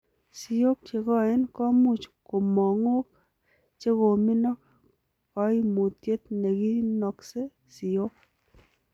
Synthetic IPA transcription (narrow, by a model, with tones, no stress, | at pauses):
si˨o˦k̚t͡ʃe˨kɔ˦e˦nkɔ˦mu˦˨t͡ʃko˨mɔ˨ŋo˦k | t͡ʃe˦ko˨mi˦nɔ˦k̚ | kɔ˦i˦mu˨tje˦t̪ne˨ki˦nɔ˨kse˦ | si˨jo˦k̚